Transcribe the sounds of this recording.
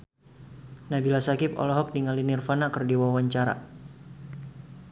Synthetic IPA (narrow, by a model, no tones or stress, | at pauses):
nabilasakɪpɔ̰lɔɦɔk̚diŋalinirfanakərdiwawaɲt͡ʃaɾa̰